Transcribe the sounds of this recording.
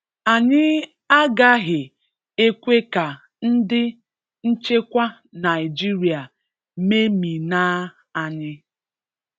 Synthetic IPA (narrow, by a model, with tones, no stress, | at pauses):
a˨ɲɪ˦ | a˦ɡa˦ɦɪ˨ | e˦kʷe˦ka˨ | n̩˦dɪ˦ | n̩˦t͡ʃe˦kʷa˦ | na˨jɪ˨d͡ʒi˦ɾi˨a˨ | me˦mi˨naː˦ | a˨ɲɪ˦